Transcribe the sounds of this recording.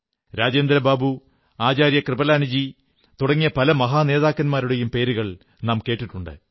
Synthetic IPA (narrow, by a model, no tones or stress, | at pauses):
ɾaːd͡ʑeːnd̪ɾɐbaːbu | aːt͡ɕaːɾjɐkrɨbɐlaːnid͡ʑi | t̪uɽɐŋːijɐpɐlɐmɐɦaːne̞ːðaːkːɐnmaːɾuɽe̞jumpe̞ːɾuɣɐɭ | nɐːmke̞ːʈːiʈːuɳɖɨ̰